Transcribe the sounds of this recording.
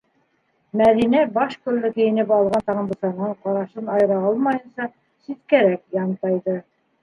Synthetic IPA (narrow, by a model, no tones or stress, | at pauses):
mæðinæbɑʃkolːɘkɘ̆jɘ̆nɘpɑlˠʁɑnt̪ɑʁɤmb̪ɤ̆sɑnɑɴqɑɾɑʃɤnɑjɾɑɑlˠmɑjɤ̆nsɑ | sit̪kæɾækjɑɴt̪ɑjðɤ